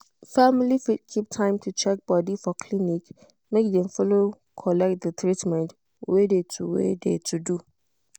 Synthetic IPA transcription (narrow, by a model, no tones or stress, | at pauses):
familifidkʰip̚tʰãɪ̃mtʰut͡ʃʰɛk̚bɔdifɔkʰlinik | mẽkdɛ̃mfɔlo | kʰɔlɛk̚t̚dətʰɾitmɛ̃nt | wedetʰuwḛdetʰudu